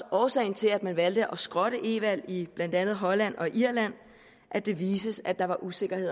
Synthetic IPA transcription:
ɒːsɛ̰ːɪ̰n̩t͡sʰe̝læd̥mænʋæld̥əʔɒ̽sɡ̥ʁɒ̽ɾ̥əʔe̝ʋæl̰ib̥læn̰d̥ænð̞̩ˠɦɒ̽læn̰ɒ̽iʔiɐlæn̰ | ʔæd̥e̝ʋiːsəsæd̥ɑ̈ʋɑ̈ʔuse̝ɡ̥ɐhe̝ð̰ˠ

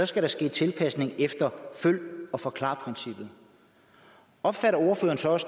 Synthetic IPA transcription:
ɒ̽sɡ̥æɾɑ̈sɡ̥e̝̰ːt͡sʰe̝lpʰæsne̝ŋefd̥ɐføl̰ɒ̽fɒ̽kʰlɑ̰̈ːpʰʁinsib̥ð̩ˠ | ɒ̽b̥fæɾɐo̝ɐføːɐn̩sɒ̽ɒ̽s

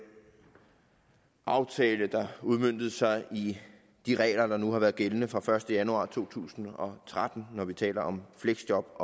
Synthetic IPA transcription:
ʔɑ̈ʊt͡sʰɛːləd̥ɑ̈uð̞ˠmøn̰d̥ð̞̩ˠsɑ̈ɪi | d̥iʁɛ̰ːlɐd̥ɑ̈nuhɑ̈ʋæːɐðˠɡ̥elənəfʁɑ̈fɶɐsd̥əjænuɑ̰̈ːt͡sʰo̝̰ːt͡sʰṵːsn̩ɒ̽t͡sʰʁad̥n̩ːɒʋit͡sʰɛ̰ːlɐʔɒ̽mfleɡ̥sd̥jɒ̽b̥ɒ̽

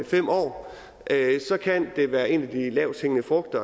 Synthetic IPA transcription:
fem̰ɒ̰ː | ʔøsɒ̽kʰænd̥e̝ʋæːɐe̝næd̥ilɛʊsʰheŋənəfʁɔ̽ɡ̥̚d̥ɐ

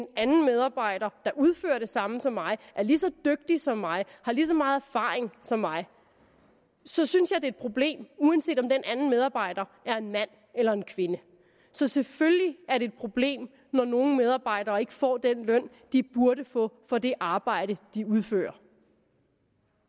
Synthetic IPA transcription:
denænn̩með̞ˠɑ̈ːb̥ɑ̈ɪ̰ɾ̥ɐd̥ɑ̈ʔuð̞ˠfø̰ːɐd̥e̝sɑ̈məsɒ̽mːɑ̈ɪʔæɐlisɒ̽d̥øɡ̥̚d̥isɒ̽mːɑ̈ɪhɑ̈lis̬ɒ̽mɑ̈ːð̩ˠæɐfɑ̰̈ːeŋsɒ̽mːɑ̈ɪ | sɒ̽synsjɑ̈ɪd̥e̝ːd̥̚pʰʁo̝b̥le̝̰ːmuænse̝̰ːd̥ɒ̽md̥enʔænn̩meðˠɑ̈ːb̥ɑ̈ɪ̰d̥ɐʔæɐe̝nmæn̰ | elɐe̝nkʰʋe̝nə | sɒ̽sefølliæɐɾe̝ːd̥̚pʰʁo̝b̥le̝̰ːm | nɒno̝ːn̩með̞ˠɑ̈ːb̥ɑ̈ɪ̰d̥ɐːe̝ɡ̥əfɒ̰ːd̥enlœn̰ | d̥ib̥uɐɾəfɔ̽fɒ̽d̥e̝ʔɑ̈ːb̥ɑ̈ɪ̰ɾ̥əd̥iuð̞ˠfø̰ːɐ

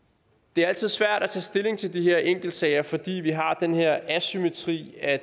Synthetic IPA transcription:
d̥e̝æɐæl̰t͡sʰiðˠsʋæɐ̰ɾ̥æt͡sʰɛ̰ːsd̥e̝le̝ŋt͡sʰe̝ld̥iɦeɐ̰ʔeŋ̰ɡ̥l̩d̥sɛɪɐfɒ̽d̥ḭːʋiɦɑ̈d̥enheɐ̰æsyme̝t͡sʰʁḭːæ

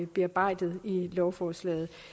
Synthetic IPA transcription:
b̥eɑ̈b̥ɑ̈ɪ̰d̥ð̩ˠilɒʊfɒːslɛ̰ːð̩ˠ

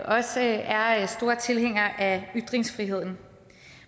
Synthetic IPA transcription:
ʔɒ̽səæɐsd̥o̝ːɐt͡sʰe̝lɦeŋ̰ɐʔæyd̥ʁeŋsfʁiɦe̝ð̞̰ˠn̩

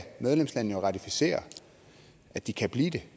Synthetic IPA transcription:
með̞ˠlemslænnəjo̝ʁɑ̈t͡sʰifi̥se̝̰ːɐ | ʔæd̥ikʰæb̥lḭːd̥e̝

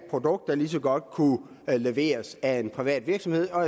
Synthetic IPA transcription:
pʰʁo̝d̥ɔ̽ɡ̥d̥ælis̬ɒɡ̥ɒ̽d̥̚kʰu | le̝ʋe̝̰ːɐsæe̝npʰʁiʋɛ̰ːd̥ʋiɐɡ̥sɒ̽mhe̝ð̰ˠɒ̽

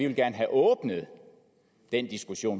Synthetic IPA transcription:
iʋelɡ̥æɐnəɦæʔɔ̽ːb̥nəð̞̩ˠ | d̥end̥isɡ̥uɕo̝̰ːn

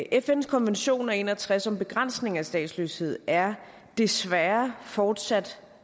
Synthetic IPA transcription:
ʔefenskʰɒ̽nʋenɕo̝̰ːnæe̝̰ːnɐt͡sʰʁasɒ̽mb̥e̝ɡ̥ʁan̰sne̝ŋæsd̥ɛ̰ːd̥slø̰she̝ð̞̰ˠæɐ | d̥e̝sʋæːɐfɒːd̥sæd̥

